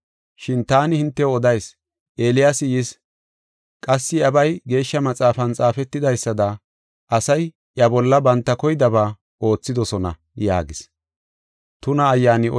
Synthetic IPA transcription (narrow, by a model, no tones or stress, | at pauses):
ʃɪnt̪aːnɪhɪnt̪ːɛɔd̪ɐjs | ʔe̞ːlɪjasɪjɪs | kʼɐsːɪɐbɐjɡe̞ːʃːɐmɐt͡sʼaːfɐnt͡sʼaːfɛt̪ːɪd̪ɐjsːɐd̪ɐ | ʔɐsɐj | ʔjɐbɔlːɐbɐnt̪ːɐkɔjɪd̪ɐβaː | ʔo̞ːt͡sːɪd̪ɔsɔnɐ̰ | ja̰ːɡɪs | t̪ʊnɐːjːaːnɪɔ